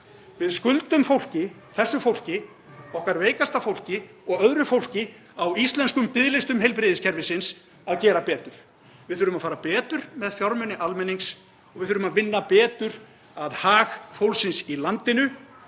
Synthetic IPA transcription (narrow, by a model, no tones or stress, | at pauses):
vɪðskʏlt̪ʏmfowl̥cɪ | θɛsːʏfowl̥cɪ | ɔhkaɾveːjkast̪afowl̥cɪ | ɔɣœðɾʏfowl̥cɪ | awist̪lɛnskʏmpɪðlɪst̪ʏmɦejlp̬ɾɪːðɪscʰɛɾvɪsɪns | aðcɛːɾapɛːt̪ʏɾ̥ | vɪðθʏːɾʏmaðfaːɾapɛːt̪ʏɾ̥mɛðfjawɾmʏnɪʔalmɛniŋks | ɔɣvɪðθʏːɾʏmaðvɪnːapɛːt̪ʏɾ | aðhaːxfowlsɪnsilant̪ɪnʏ